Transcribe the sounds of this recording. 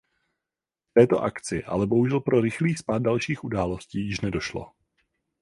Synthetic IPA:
ft̪ɛːt̪o̞ʔa̰kt͡sɪʔa̰lɛbo̞ɦuʒɛlpɾo̞ɾɪxliːxspaːd̪̚dalʃiːxʔudaːlo̞sciːjɪʃnɛdo̞ʃlo̰

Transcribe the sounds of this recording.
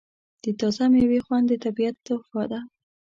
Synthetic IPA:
d̪̥ət̪ɑzamjawexwand̪ət̪abiat̪ːafɑd̪a

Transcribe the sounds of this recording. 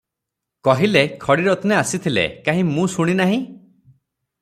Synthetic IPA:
kɔɦilekʰɔɽiɾɔt̪ɔneasit̪ʰilḛkaɦĩmũsuɽ̃inaɦĩ

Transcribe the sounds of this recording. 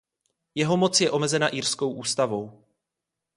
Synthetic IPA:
jɛɦo̞mo̞t͡sjɛʔo̞mɛzɛnaʔiːrsko̞wʔuːst̪avo̞w

